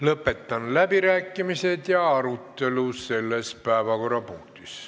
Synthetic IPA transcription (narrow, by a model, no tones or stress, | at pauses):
lɤpːˑe̞t̪ːɑnlæbiɾæːkːˑimise̞d̪jɑɑɾut̪ːe̞luse̞lːespæˑevɑko̞rˑɑpuŋt̪is